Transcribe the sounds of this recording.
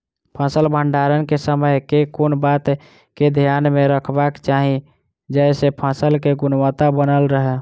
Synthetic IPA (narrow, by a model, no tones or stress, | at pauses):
pʰə̃səlbʱəɳɖaɾənkesəməjkekonbat̪ | ked̪ʱijanmeɾəkʰbakt͡ʃaɦĩ | d͡ʒɛɪsepʰə̃səlkeɡunwət̪abənəlɾəɦɛ